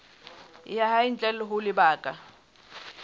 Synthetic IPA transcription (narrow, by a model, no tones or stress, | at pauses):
jahaint͡ɬʼɛlʊɦʊlɪbaːkʼa